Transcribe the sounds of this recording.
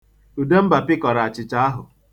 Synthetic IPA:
u˨de˦m̩˦ba˨pɪ˦kɔ˨ɾa˨a˨t͡ʃɪ˨t͡ʃa˦a˦ɦʊ˨

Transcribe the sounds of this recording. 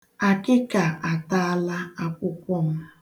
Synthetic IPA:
a˨kɪ˦ka˨ʔa˨ta˦a˦la˦a˦kʷʊ˦kʷɔ˦˨m̩˦

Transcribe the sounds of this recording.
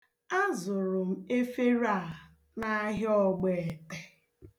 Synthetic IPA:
a˦zʊ˨ɾʊ˨m̩˦e˦fe˦ɾa˦˨ | na˦ɦjɔ˦ɡ͡be˨te˨

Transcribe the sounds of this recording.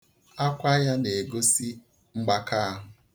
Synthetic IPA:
a˦kʷa˦ja˦ne˨e˨ɡo˦si˦ | ŋ͡m̩˦ɡ͡ba˦ka˦a˦ɦʊ˨

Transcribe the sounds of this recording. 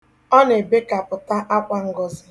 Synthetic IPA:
ɔ˦ne˨be˦ka˨pʊ˨ta˦ʔa˦kʷa˦ŋ̩˦ɡɔ˨zɪ˨

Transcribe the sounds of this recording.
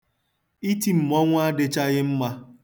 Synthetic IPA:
i˦ti˨m̩˨mɔ˦ŋʷ˦a˦dɪ˦t͡ʃa˦ɣɪ˦m̩˦ma˦

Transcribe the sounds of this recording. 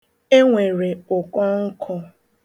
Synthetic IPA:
e˦ŋʷe˨ɾe˨ʊ˨kɔ˦ŋ̩˦kʰɔ˦

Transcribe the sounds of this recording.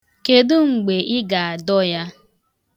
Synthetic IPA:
ke˨dʊ˦ŋ͡m̩˨ɡ͡be˨ʔɪ˦ɡa˨a˨dɔ˦ja˦

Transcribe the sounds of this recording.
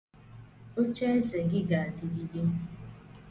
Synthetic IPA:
o˦t͡ʃe˦e˦se˨ɡɪ˦ɡa˨a˨ti˨di˨di˦

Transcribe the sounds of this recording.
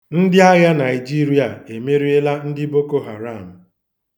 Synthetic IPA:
n̩˦dɪ˦a˦ɣa˦na˨ɪ˨d͡ʒi˦ɾi˦a˨e˨me˦ɾi˦e˦la˦n̩˦dɪ˦bo˦ko˦ɦa˨ɾa˦˨m̩˨

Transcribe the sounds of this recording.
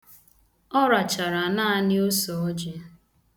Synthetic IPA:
ɔ˦ɾa˨t͡ʃa˨ɾa˨na˦nɪ˦o˦sɔ˨ɔ˦d͡ʒe˨˦

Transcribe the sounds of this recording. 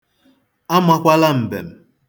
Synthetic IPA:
a˦ma˦kʷa˦la˦m̩˨bḛ˨m̩˨

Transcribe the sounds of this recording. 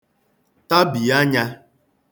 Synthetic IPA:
ta˦bi˨a˦ɲa˦

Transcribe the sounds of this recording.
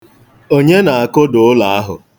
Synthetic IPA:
o˦ɲe˦na˨a˨kʊ˦dʊ˨ʊ˦la˨a˦ɦʊ̰˨

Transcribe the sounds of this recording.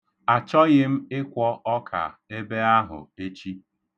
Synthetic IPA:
a˨t͡ʃɔ˦ɣɪ˦m̩˦ɪ˦kʷɔ˦ʔɔ˦kʰa̰˨e˦be˦a˦ɦʊ̰˨e˦t͡ʃi˦

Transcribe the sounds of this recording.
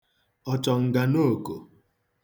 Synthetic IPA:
ɔ˦t͡ʃɔ˨ŋ̩˨ɡa˨no˦˨ko˨

